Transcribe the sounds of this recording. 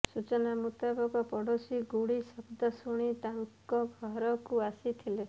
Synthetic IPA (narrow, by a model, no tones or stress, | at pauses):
sut͡ʃɔnamut̪abɔkɔpɔɽosiɡuɽisɔbd̪ɔsuɽ̃it̪aŋkkɔɡʱɔɦɾɔkuasit̪ʰile